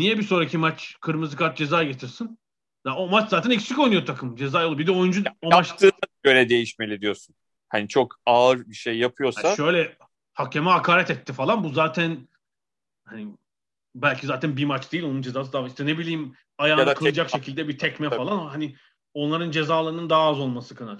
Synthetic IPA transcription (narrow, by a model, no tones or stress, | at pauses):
nijɛbiso̞ːɾacʰimat͡ʃkʰɯɾmɯzɯkʰaɾt̪̚d͡ʒe̞zaːɟe̞t̪ʰiɾsin | jao̞mat͡ʃzaːt̪ʰænicsiko̞jnujot̪ʰakʰɯmd͡ʒe̞zaːjolˠubid̪ɛo̞jund͡ʒuomat͡ʃt̪ɯːøjlʲɛd̪e̞jiʃme̞lʲid̪ijo̞sun | hanit͡ʃʰo̞kaːɯɾbiʃejːapʰɯjo̞saaʃø̞jlʲɛ | hacʰemɛɦakʰaːɾɛt̪ɛt̪ʰːifalˠanbuzaːt̪ʰæn | hani | bælʲkcʰizaːt̪ʰænbimat͡ʃd̪ejilʲo̞nund͡ʒezaːs̬ɯd̪aːviʃt̪ɛne̞bilʲijːm | ajaːnkʰɯlˠɯd͡ʒakʃe̞cʰilʲd̪ɛbit̪ʰɛcmɛfalˠanaɦani | o̞nlˠaɾɯnd͡ʒe̞zaːlˠaɾɯnɯnd̪aɦaazo̞lˠmasɯkʰanat̪